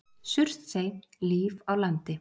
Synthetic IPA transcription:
sʏr̥t̪seːjnliːvawlant̪ɪ

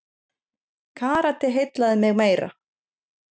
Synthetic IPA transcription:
kʰaːɾat̪ɪɦejt̪laðɪmɪɣmeːjɾa̰

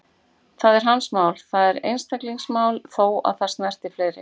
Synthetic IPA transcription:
θaðɛɾ̥ɦansmaːwlθaðɛɾḛjnst̪akliŋsmaːwlθoːwa̰ðθḁst̪nɛr̥t̪ɪ̥fleːɾɪ̰

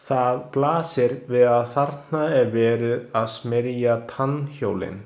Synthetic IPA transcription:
θaðplaːsɪɾvɪðaðθaɾ̥t̪naɛɾvɛːɾɪðaðsmɪɾjat̪ʰançoːwlɪ̰n

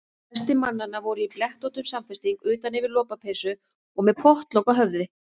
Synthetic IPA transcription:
ɛst̪ɪmanːanːavɔɾʏiplɛht̪ɔwt̪ʏmsamfɛst̪iŋkʏːt̪anɪvɪɾlɔːpapʰeːsʏ | ɔɣmɛðpʰɔht̪lowkaɦœvðɪ

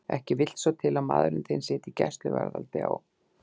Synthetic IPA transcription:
ɛhcɪvɪl̥t̪sɔt̪ʰɪlaðmaːðɾɪnθejnsɛːt̪icɛst̪lʏvɛɾðalt̪ɪa̰w

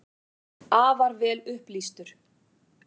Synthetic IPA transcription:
aːvaɾvɛːlʏhplist̪ʏɾ̥

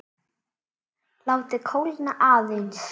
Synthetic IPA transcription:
lawt̪ɪkʰowlnaʔaːðins

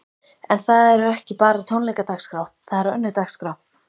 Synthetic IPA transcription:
ɛnθaðɛɾɛhcɪpaːɾat̪ʰownlɛjkat̪akskɾawθaðɛɾœnːʏt̪akskɾaw

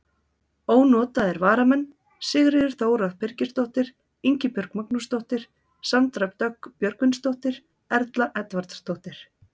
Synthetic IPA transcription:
oːwnɔːt̪aðɛɾvaːɾamɛnː | sɪɣɾɪʏɾ̥θoːwɾað̥pʰɪɾcɪst̪owht̪ɪɾ̥ | iɲcɪpjœɾkmaknust̪oht̪ɪɾ̥ | sant̪ɾapt̪œkpjœɾkvɪnst̪owht̪ɪɾ̥ | ɛɾt̪laʔɛt̪vaɾt̪st̪owht̪ɪɾ̥

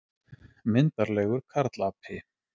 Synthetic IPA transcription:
mɪnt̪aɾlɛːɣʏɾ̥kʰaɾt̪lapʰɪ

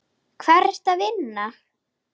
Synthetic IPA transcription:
kʰvɛɾɛ̥t̪avɪnːa

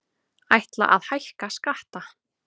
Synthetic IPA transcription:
ajht̪la̰ʔaðhajhkaskaht̪a

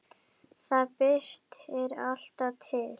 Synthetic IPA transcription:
θaðpɪɾ̥t̪ɛɾal̥t̪at̪ʰɪl

